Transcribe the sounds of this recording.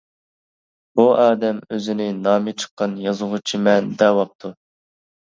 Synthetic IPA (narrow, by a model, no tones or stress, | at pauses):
buʔɑːd̪ɛmøzɪnɪnɑːmɪt͡ʃʰə̥qːɑnjɑzʊʁʊt͡ʃʰimɛnd̪ɛwɑp̚t̪ʰu